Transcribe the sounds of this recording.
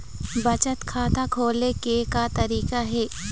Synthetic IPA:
bɐt͡ʃət̪kʰaːt̪akʰoːlekekat̪ɐɾiːkaɦɛː

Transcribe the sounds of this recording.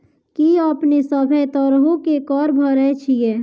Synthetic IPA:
kiəpnesəbʱəjt̪əɾɦõkekɔɾbʱəɾɛt͡ʃʰijɛ

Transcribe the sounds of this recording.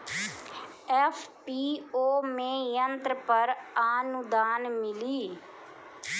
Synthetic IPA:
ɛːpʰpiːoːmẽːjənt̪ɾpəɾaːnʊd̪aːnmɪliː

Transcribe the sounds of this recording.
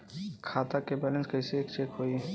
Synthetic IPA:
kʰaːt̪akebɛlə̃nskəɪseekt͡ʃekɦoi

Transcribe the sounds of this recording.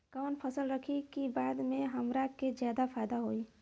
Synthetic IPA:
kaʋnpʰəsəlɾəkʰikibaːd̪mẽɦəmɾaked͡ʒjaːd̪apʰaːjd̪aɦoːiː

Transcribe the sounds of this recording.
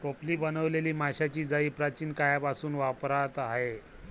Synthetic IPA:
ʈopliːbənəʋleliːmaɕat͡ɕiːd͡zaiːpɾat͡ɕiːnkajapasuːnʋapɾat̪aɦe

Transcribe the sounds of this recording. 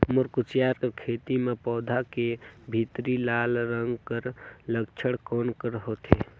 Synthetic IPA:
mʊɾkʊt͡ʃjaːɾkəɾkʰeːt̪imepɔːd̪ʱakebʱit̪ɾilaːlɾəŋɡkəɾləkt͡ʃʰəɽkɔːnkəɾɦot̪eː

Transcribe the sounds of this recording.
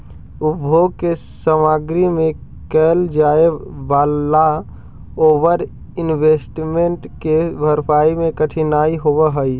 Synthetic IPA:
ʊbʱoɡ̚ke | səmaɡɾimẽ | kɛːld͡ʒaeʋaːla | oːʋəɾ | ɪnʋesʈmeɳʈkebʱəɾpʰaːimẽkəʈʰinaiɦoʋəɦəi

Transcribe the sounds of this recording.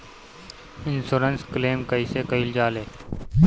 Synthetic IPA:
ɪnsoːɾənskleːmkəisekəɪld͡ʒaːleː

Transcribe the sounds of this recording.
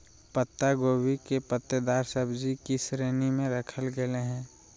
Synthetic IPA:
pət̪ːaɡoːwikepət̪ːəd̪aːɾsəbd͡ʒikisɾeːnimẽɾəkʰəlɡəleɦɛ̃ː

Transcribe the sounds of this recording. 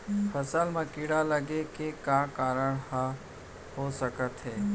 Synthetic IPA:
pʰəsəlmɐ̃kiːɽaləɡekekaːkaːɾəɽh | hosəkət̪ɦɛː

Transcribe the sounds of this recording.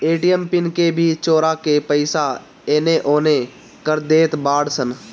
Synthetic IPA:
eːʈijəmpɪnkebʱit͡ʃoːɾakepəɪsa | eːneʔoːne | kəɾd̪eːt̪baːɽsən

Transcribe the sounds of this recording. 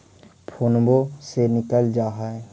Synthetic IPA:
pʰoːnbosenɪkəld͡ʒaːɦaɛ

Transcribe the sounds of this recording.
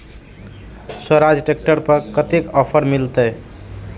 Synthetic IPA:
səɾad͡ʒʈek̚ʈəɾpəɾkət̪ekɔpʰəɾmilt̪əj

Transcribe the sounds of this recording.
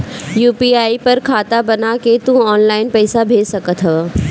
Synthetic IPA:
juːpiaːipɐɾkʰaːt̪abɐnaket̪ũɔːnlaːɪnpɛːsabʱeːd͡ʒsɐkət̪ʰɦɐʋa

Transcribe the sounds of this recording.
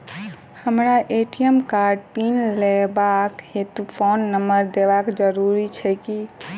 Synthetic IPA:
həmɾaʔeʈijəmkaɾɖpinlebakhet̪upʰonːəməɾd̪ebakd͡ʒəɾuɾit͡ʃʰɛki

